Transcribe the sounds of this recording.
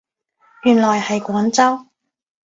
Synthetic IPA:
jyː˨˩nlɔː˨˩jhɐ˨jkʷɔː˨˥nt͡sɐ˥w

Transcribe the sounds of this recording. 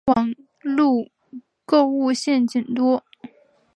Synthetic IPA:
wɑ˨˩ŋ | lu˥˧ | ko˥˧ʊu˥˧ɕjɛ˥˩nt͡ɕi˨˩nt̪wɔ˥

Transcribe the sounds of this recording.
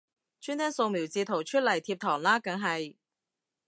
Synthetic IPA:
t͡ʃʰyː˥nt̪ʰɛː˥ŋso˧wmiː˨˩wt͡siː˧t̪ʰo˨˩wt͡ʃʰɵ˥t̚lɐ˨˩jt̪ʰiː˧p̚t̪ʰɔː˨˩ŋlaː˥kɐ˨˧˥ŋɦɐ˨j

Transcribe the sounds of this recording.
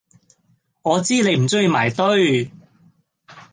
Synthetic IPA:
ŋɔː˨˧t͡siː˥ne˨˧jm̩˨˩sɵ˥ŋji˧maː˨˩jt̪ɵ˥ɥ

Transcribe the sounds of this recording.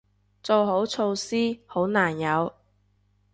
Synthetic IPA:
t͡so˨˧wɦo˨˥wt͡sʰo˧wsiː˥ho˨˥wnaː˨˩njɐ˨˧w

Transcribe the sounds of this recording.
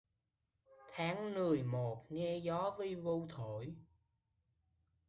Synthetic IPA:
t̪ʰaː˨˦ŋmɨ˨˩əjmo˨˩t̚ŋɛ˧zɔ˨˦vi˧vu˧wt̪ʰo˧˨j

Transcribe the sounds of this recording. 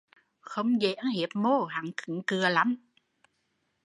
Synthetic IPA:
xə˧wŋ͡mze˨˩˨ʔə˨˦nhi˨˩˦əp̚mo˧˩ɦa̰˧˨˦nkɨ˨˩˦ŋkɨ˨˩əla˨˦m

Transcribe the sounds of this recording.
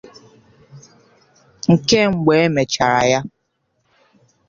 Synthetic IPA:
ŋ̩˨ke˦ŋ͡m̩˨ɡ͡be˨e˦me˨t͡ʃa˨ɾa˨ja˦

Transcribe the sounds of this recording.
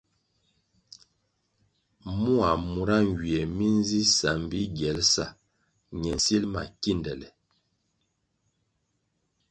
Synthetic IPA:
mu˦a˨mu˨ɾa˦ŋɡɥi˨ɛ˨mi˦n˦zi˦sa˨m˨bi˦ɡɛ˨˦lsa̰˨ | ɲɛ˨n˨si˦lma̰˨ki˦˨ndɛ˨lɛ˨

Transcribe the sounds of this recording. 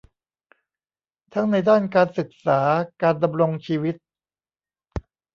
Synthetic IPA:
t̪ʰa˦˥ŋna˧jdaː˥˩nkaː˧nsɯ˨˩k̚saː˩˦kaː˧nda˧mɾo˧ŋt͡ɕʰiː˧wi˦˥t̪̚

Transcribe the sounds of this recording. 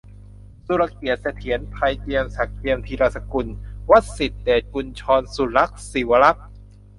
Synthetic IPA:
su˧ɾa˧˩k̚ːi˨˩ət̪̚sa˧˩t̪ʰi˨˩˦ənpʰa˧jt̪i˧əmsa˨˩k̚t̪i˧əmt̪ʰiː˧ɾaː˧sa˧ku˧nwa˦˥t̪̚si˨˩t̪̚d̪eː˨˩t̪̚ku˧nt͡ɕʰɔː˧nsu˨˩la˦˥k̚si˨˩˦wa˧la˦˥k̚

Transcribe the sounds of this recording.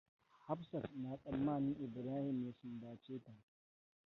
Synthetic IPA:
ha˦ɸsɐ˨tnaː˨sʼɐ˨mːaː˦˨nɪ˦ŋʔɪ˨bɾaː˦hɪ˨mja˦sʊ˨nbaː˨t͡ʃeː˦ta˨

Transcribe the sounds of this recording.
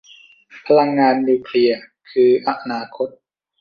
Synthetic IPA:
pʰa˧la˧ŋːaː˧nːiː˧kʰli˧ɐ | kʰɯː˧ʔa˧˦ʔnaː˧kʰo˦˥t̪̚

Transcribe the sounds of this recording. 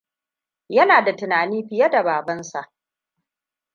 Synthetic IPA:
jɐ˦naː˨da˨tɪ˨naː˨niː˦ɸɪ˨ja˦da˨baː˨bɐ˦nsa˨ʔ

